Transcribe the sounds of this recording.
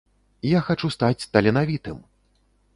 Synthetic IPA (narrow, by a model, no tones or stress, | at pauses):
jaxat͡ʂust̪at͡sʲt̪ɐlʲɛnavʲit̪ɨm